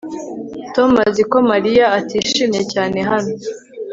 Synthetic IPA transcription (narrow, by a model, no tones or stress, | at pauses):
to̞maziko̞maɾijaːtiːʃiːmjecaːne̞ɦano